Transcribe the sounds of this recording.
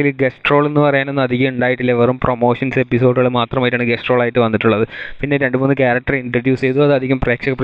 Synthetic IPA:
ilɡesʈro̞ːɭenːɨpɐrɐjaːne̞nːɐd̪ʱiɣɐmuɳɖaːjiʈːilːɐeʋɐɾumpromo̞ːʂɐnse̞pːiso̞ːɖuɣɐɭɨmaːt̪rɐmaːjiʈːaːɳɨɡesʈroːɭaːjiʈːɨʋɐnːiʈːuɭːɐðɨpinːe̞ɾe̞ɳɖɨmonːɨkʲaːɾɐk̚ʈɐriɳʈrɐrɖjuːst͡ɕe̞jðuɐðɨɐd̪ʱiɣɐmpreːkʂɐɣɐpː

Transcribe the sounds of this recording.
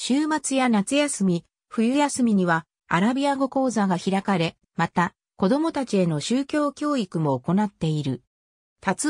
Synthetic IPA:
ɕɨːmat͡sɨjanat͡sɨjasɨmʲi | ɸɯ̟jɯ̟jasɨmʲiɲ̟iβa | a̰ɾabʲiaɡo̞ko̞ːzaɡaçiɾakaɾe̞ | mat̪a | ko̞d̪o̞mo̞t̪at͡ɕie̞no̞ɕɨːkʲo̞ːkʲo̞ːikɯ̟mo̞ːko̞nat̪ːe̞iɾɯ̟ | t̪at͡s

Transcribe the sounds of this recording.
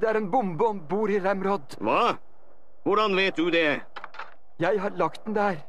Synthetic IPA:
d̪ɛæːɾeːnbʊmbəɔmbuːɾiɾæmɾɔd̪ʋɑː | ʋʊɖɑnʋeɪt̪̚d̪ʉd̪ɛ | jæɪɦɑɾɭɑkt̪d̪ɛnd̪ɛhæːɾ

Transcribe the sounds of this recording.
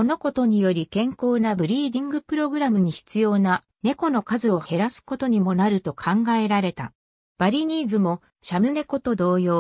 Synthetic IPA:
ko̞no̞ko̞t̪o̞ɲ̟ijo̞ɾʲikẽ̞ŋko̞ːnabɯ̟ɾʲiːd̪ʲĩŋɡɯ̟pɯ̟ɾo̞ɡɯ̟ɾamɯ̟ɲ̟içi̥t͡sɨjo̞ːna | ne̞ko̞no̞kazɨo̞he̞ɾasɨ̥ko̞t̪o̞ɲ̟imo̞naɾɯ̟t̪o̞kʰãŋɡae̞ɾaɾe̞t̪a̰ | b̥aɾʲiɲ̟ʲiːzɨmo̞ | ɕamɯ̟ne̞ko̞t̪o̞d̪o̞ːjo̞ː

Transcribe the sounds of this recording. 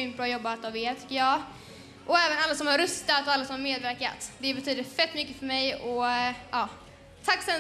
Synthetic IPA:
ʏnt̪̚bɾɑːjɔbːat̪jɔvɪt̪ʰʏ̥kːəjɑː | ʔɔɛːvənalːasɔmhaɾɵst̪at̪ɔalːasɔmhaɾmeːd̪væɾka̰t̪d̪ɛːbɛt̪ʰyːd̪əfɛt̪ːmʏkːəfœɾmɛjɔʔɑː | t̪ʰakːsɛ

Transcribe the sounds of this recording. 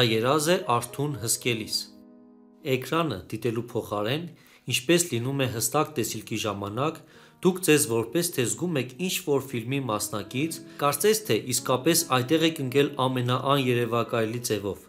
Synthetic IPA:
ɑjɛɾɑzɛʔɑɾt̪ʰunɦəskɛlis | ɛkɾɑnə̰d̪̥it̪ɛlupʰɔχɑɾɛn | int͡ʃʰpɛslinumɛɦəst̪ɑk̚t̪ɛsilkʰiʒɑmɑnɑk | d̪̥ukʰd͡zɛzvɔɾpɛst̪ʰɛzɡumɛkʰint͡ʃʰvɔɾfilmimɑsnɑkit͡sʰkɑɾt͡sɛst̪ʰɛʔiskɑpɛsɑjt̪ɛʁɛkəŋkɛlɑmɛnɑʔɑnjɛɾɛvɑkɑjlit͡sɛvɔv

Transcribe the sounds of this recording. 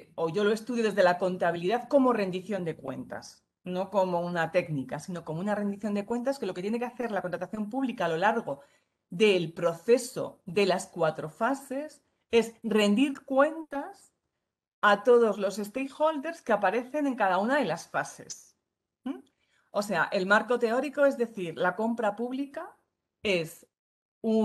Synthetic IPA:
o̞ʝolo̞e̞st̪uðjo̞ðezðe̞lako̞nt̪aβiliðaðko̞mo̞re̞nd̪iθjo̞nd̪e̞kwe̞̰nt̪a̰s | no̞ko̞mo̞unat̪e̞knikasino̞ko̞mounare̞nd̪iθjo̞nd̪e̞kwe̞nt̪̬aeske̞lo̞ket̪je̞ne̞keaθe̞ɾlakont̪ɾat̪aθjo̞mpuβlikaːlo̞laɾɣo̞ | ðe̞lpɾo̞θe̞so̞̰ðe̞laskwat̪ɾo̞fase̞s | e̞zre̞nd̪iɾkwe̞nt̪as | at̪o̞ðo̞zlo̞se̞st̪ejxo̞ld̪e̞ɾskeapaɾe̞θe̞ne̞ŋkaðaunaðe̞lasfase̞̰s̩ | o̞se̞a̰ʔe̞lmaɾko̞t̪e̞o̞ɾiko̞e̞zðe̞θiɾlako̞mpɾapuβlika | e̞s | u

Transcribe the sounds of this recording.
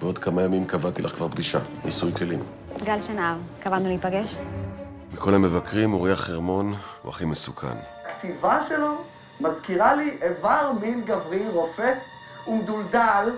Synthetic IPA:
beo̞d̪kamajamimkavat̪ilʔaχkvaʁbɡiʃaḭsujkelim | ɡalʃenavkavannuleipaɡeʃ | mikʰo̞lemːevakʁimoʁiaχeʁmo̞n | ṵa̰χimesukʰa̰n | akt̪ivaʃelo | mazkiʁaliʔevaʁminɡavʁiʁofes | umd̪uld̪al

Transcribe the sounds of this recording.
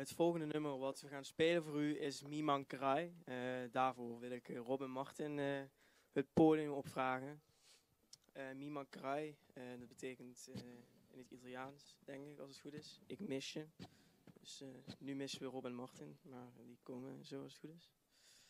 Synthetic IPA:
ətfɔlˠɣəndənɵmərʋɑtʋəɣaːnspeːlənvoːryɪsmimɑŋkrɛjdaːɹvoːrʋɪlˠɪkrobɪnmɑɹtɪn | ətpoːdjəmɔpfraːɣən | mimɑŋkrɑjdɑd̚bətʰeːkənt | ɪnətitɑlˠijaːnsd̥ɛŋkɪkɑlˠsətxutɪsɪkmɪsjədəsnymɪsəʋərobɪnmɑɹtɪnmaːrʋikɔŋəzoːɑlˠsətxutɪs

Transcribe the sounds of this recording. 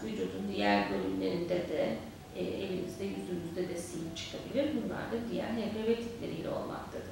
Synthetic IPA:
vid͡ʒud̪und̪ijæɾbølʲymlʲe̞ɾind̪ɛd̪ɛː | ʔelimizd̪ɛjyzymyzd̪ɛd̪ɛsijipt͡ʃʰɯ̥kʰabilʲiɾbunlˠa̰ɾd̪ad̪ijæ̰ɾɦebebet̪ʰi̥t̪lʲe̞ɾijlʲɛ̰o̞lˠmʔa̰k̚t̪ʰad̪ɯ

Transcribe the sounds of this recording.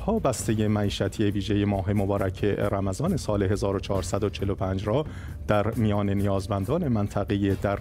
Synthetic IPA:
hɒːbæst̪e̞je̞mæiːʃæt̪ʰieviːʒe̞jemɒːɦe̞mobɒːɾʔæcʰe̞̰ɾæmæzɒːne̞sɒːleɦe̞zɒːɾot͡ʃʰɒːɾsæd̪ot͡ʃʰe̞lopʰæːnd͡ʒɾɒː | d̪̥æɾmijɒːne̞nijɒːzmænd̪ɒːne̞mænt̪ʰæɣejed̪æɾ

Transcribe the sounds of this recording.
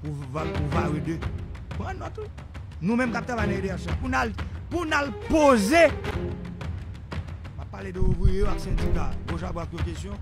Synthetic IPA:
puvapuvaɣidøpɛ̃nɔ̃t̪u | nũmɛ̃mkap̚t̪ɣavajnãeleasɔ̃apunalpunalpoze | mapːaledøuvijejoaksɛ̃d͡zikaboʒabwakjõkesjɔ̃

